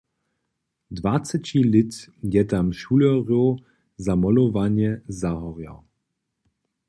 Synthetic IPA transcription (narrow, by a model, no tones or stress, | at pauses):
dvat͡sɛt͡ɕilɪt̪jɛt̪amʃuːlɔʁjo | zamɔlɔvaɲjɛzaɦɔʁja̰w